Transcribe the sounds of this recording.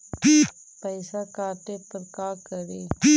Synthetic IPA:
pəɪsakaːʈepəɾkaːkəɾeː

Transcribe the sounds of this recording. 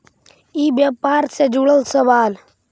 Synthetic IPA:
ibjaːpaːɾsed͡ʒuɽəlsəʋaːl

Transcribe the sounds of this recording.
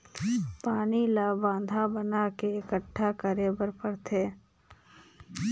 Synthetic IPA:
paːnilabãːnd̪ʱabənakeɪkəʈʰːakəɾeːbəɾpəɾt̪ʰeː

